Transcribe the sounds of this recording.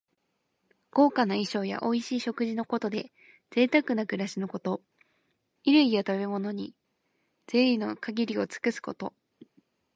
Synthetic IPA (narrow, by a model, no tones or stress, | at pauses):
ɡ̥o̞ːkanaiɕo̞ːja̰ʔo̞iɕiːɕo̞kɯ̟ʑino̞ko̞t̪o̞d̪e̞ | z̥e̞ːt̪akɯ̟nakɯ̟ɾaɕino̞ko̞t̪o̞ | iɾɯ̟ɡʲiot̪aβe̞mo̞no̞ɲ̟i | d͡z̥e̞ːino̞kaɡʲiɾʲio̞t͡sɨ̥kɯ̟sɨ̥ko̞t̪o̞